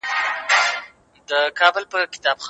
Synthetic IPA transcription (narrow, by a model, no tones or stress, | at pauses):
d̪əkɑbəlpəkɪ̥t̪ɑbx